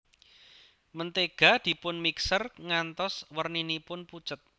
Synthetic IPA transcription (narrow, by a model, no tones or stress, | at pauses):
mənt̪eɡ̥ä̤d̪̥i̤pʊnmiksərŋant̪ɔswərninipʊnput͡ʃət̪̚